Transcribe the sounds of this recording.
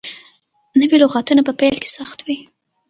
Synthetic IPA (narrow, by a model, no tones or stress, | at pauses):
nəwilʊɣɑt̪unapəpajlke̥saxt̪wi